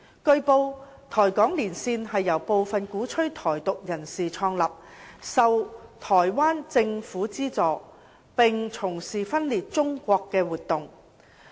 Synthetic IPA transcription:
kɵ˧ɥpo˧wt̪ʰɔː˨˩jkɔː˨˥ŋliː˨˩nsiː˧nɦɐ˨jːɐ˨˩wpo˨˧wfɐ˨nkuː˨˥t͡ʃʰɵ˥ɥt̪ʰɔː˨˩jt̪ʊ˨k̚jɐ˨˩nsiː˨t͡ʃʰɔː˧ŋlɐ˨p̚sɐ˨wt̪ʰɔː˨˩jwaː˥nt͡sɪ˧ŋfuː˨˥t͡siː˥t͡sɔː˨ | pɪ˨ŋt͡sʰʊ˨˩ŋsiː˨fɐ˥nliː˨t̚t͡sʊ˥ŋkʷɔː˧kːɛː˧wuː˨t̪̚ʊ˨ŋ

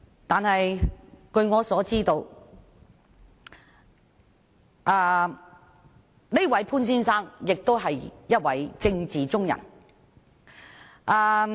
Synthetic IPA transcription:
t̪aː˨nhɐ˨jkɵ˧ɥŋɔː˨˧sɔː˨˥t͡siː˥t̪o˧w | ʔaː˧ | ne˥wɐ˨˥jpʰuː˥nsiː˥nsaː˥ŋjɪ˨k̚t̪o˥wɦɐ˨jjɐ˥t̚wɐ˨˥jt͡sɪ˧ŋt͡siː˨t͡sʊ˥ŋjɐ̰˨˩n | ʔaː˧

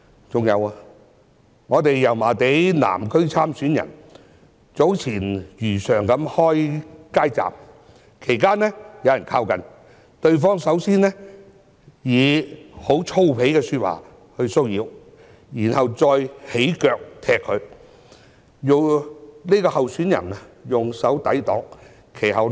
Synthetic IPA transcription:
t͡sʊ˨ŋjɐ˨˧waː˧ | ŋɔː˨˧t̪e˨jːɐ˨˩wmaː˨˩t̪e˨˥jna̰ː˨˩mkʰɵ˥ɥt͡sʰaː˥msyː˨˥njɐ̰˨˩n | t͡so˨˥wt͡sʰiː˨˩njyː˨˩sœː˨˩ŋkɐ˨˥mhɔː˥jkaː˥jt͡sa̰ː˨p̚ | kʰe˨˩jkaː˥nɛː˥jɐ˨˧wjɐ˨˩nkʰaː˧wkɐ˨n | t̪ɵ˧ɥf̬ɔː˥ŋsɐ˨˥wsiː˥nɛː˥ | jiː˨˧ho˨˧˥wt͡sʰo˥wpʰe˨˥jkɛː˧sy˧t̚wa̰ː˨˩ | hɵ˧ɥso˥wjiː˨˧w | jiː˨˩nhɐ˨wt͡sɔː˧jhe˨˥jkœː˧k̚t̪ʰɛː˧kʰːɵ˨˧ɥ | jʊ˨˩wni˥kɔː˧hɐ˨wsyː˨˥njɐ̰˨˩njʊ˨ŋsɐ˨˥wt̪ɐ˨˥jt̪ɔ̰ː˨˥ŋ | kʰe˨˩jɦɐ˨w

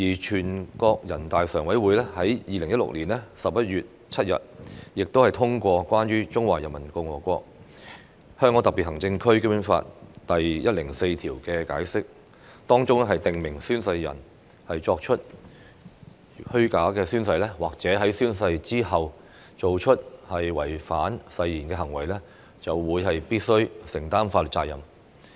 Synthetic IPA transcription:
jiː˨˩t͡ʃʰyː˨˩nkɔː˧k̚jɐ˨˩nt̪aː˨jsœː˨˩ŋwɐ˨˥jwuː˨˥jlɛː˥hɐ˨˥jjiː˨lɪ˨˩ŋjɐ˥tlʊ̰˨k̚liː˨˩nlɛ˥sɐ˨p̚jɐ˥t̚jyː˨t̚ | t͡sʰɐ˥t̚jɐ̰˨t̚jɪ˨k̚t̪whɐ˨jt̪ʰʊ˥ŋkʷɔː˧kʷaː˥nɥyː˥t͡ʃʊ˥ŋwaː˨jɐ˨˩nmɐ˨˩nkɔ˧ŋwɔː˨˩kʷɔː˧k̚ | hœː˥ŋkɔː˨˧˥t̪ɐ˨kpi˨t̚hɐ˨˩ŋt͡sɪ˧ŋkʰɵ˥ɥkːmy˥nfa̰ː˧t̚t̪ɐ˨jjɐ˥t̚lɪ˨˩ŋse˧jt̪ʰiː˨˩wkɛː˧ka̰ː˨˥jsɪ˥k̚ | t̪ɔː˥ŋt͡sʊ˥ŋɦɐ˨jt̪ɪ˨ŋmɪ˨˩ŋsyː˥nsɐ˧jːɐ̰˨˩n | hɐ˨jt͡ʃɔː˧k̚t͡ʃʰɵ˥t̚ | hɵ˥ɥkaː˨˥kɛː˧syː˥nsɐ˧jlɛː˥waː˨k̚t͡sɛː˨˥ɦɐ˨˥jsyː˥nsɐ˧jt͡siː˥ɐ˨w | t͡so˨wt͡ʃʰɵ˥t̚hɐ˨jwɐ˨˩jfaː˨˥nsɐ˧jːiː˨˩nkɛː˧ɦɐ˨˩ŋwɐ˨˩jlɛː˥ | t͡sɐ˨wːuː˨˧jɦɐ˨jpiː˥t̚sɵ˥ɥsɪ˨˩ŋt̪aː˥nfaː˧˨t͡saː˧jɐ˨˩m

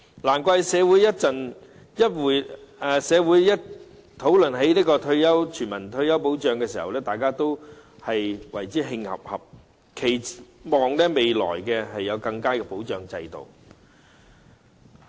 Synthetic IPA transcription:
laː˨˩nkʷɔː˥˧˥hɛ˨˧jsɛː˨˧wuː˨˥jɐ˥t̚t͡sɐ˨n | jɐ˥t̚wuː˨jɛː˨sɛː˨˧wuː˨˥jjɐ˥t̚ | t̪ʰo˨˥wlɵ˨nɦe˨˥jniː˥kɔː˧t̪ʰɵ˧ɥjɐ˥wt͡ʃʰyː˨˩nmɐ˨˩nt̪ʰɵ˧ɥjɐ˥wpo˨˥wt͡ʃœː˨ŋkɛː˧s̬iː˨hɐ˨wlɛː˥t̪aː˨jkaː˥t̪o˥whɐ˨jwɐ˨˩jt͡siː˨˥ɦɪ˧ŋhɐ̰˨p̚hɐ˨p̚ | kʰe˨˩jmɔː˨ŋlɛː˥me˨jlɔ̰ː˨˩jkɛ˧ɦɐ˨jːɐ˨˧wkɐ˧ŋkaː˥kɛ˧po˨˥wt͡ʃœː˨ŋt͡sɐ˧jt̪o̰˨w

